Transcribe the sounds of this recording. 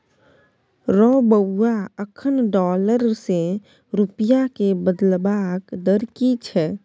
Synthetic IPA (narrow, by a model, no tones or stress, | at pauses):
ɾɔbəːaəkʰənɖɔːləɾse | ɾupjakebəd̪lbaːkd̪əɾkit͡ʃʰɛ